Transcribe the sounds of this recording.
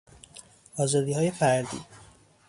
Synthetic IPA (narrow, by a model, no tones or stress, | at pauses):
ɒːzɒːd̪iːhɒːje̞fæɾd̪ḭː